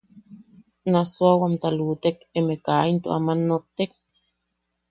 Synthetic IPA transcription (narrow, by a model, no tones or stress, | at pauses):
nasuawamt̪aluːt̪ekemekaːint̪oʔa̰manːot̪ːek̚